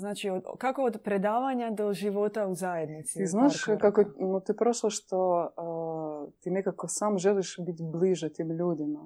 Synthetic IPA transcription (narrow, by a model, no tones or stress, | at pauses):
znaːt͡ʃiokakood̪pɾed̪aːʋaɲad̪o̞ʒiʋo̞t̪auzaje̞d̪nit̪siiznaʃkakonot̪ipɾoʃlˠoʃt̪o | t̪inekakosaːmʒeliʃbit̪ʲbliʒɛt̪imʎuːd̪ima